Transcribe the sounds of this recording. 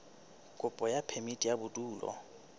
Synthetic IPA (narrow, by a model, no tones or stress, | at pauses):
kʼʊpʼɔjapʰemitʼijabʊtʼuːlɔ̰